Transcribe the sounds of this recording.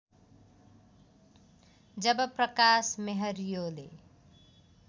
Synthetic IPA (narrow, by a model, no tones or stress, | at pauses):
d͡zʌbʌprʌkasmeɦʌɾjole